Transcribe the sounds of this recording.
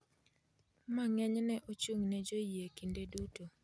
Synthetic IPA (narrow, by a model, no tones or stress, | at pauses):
maŋɛɲnɛʔot͡ʃuŋnɛd͡ʒojekindeduto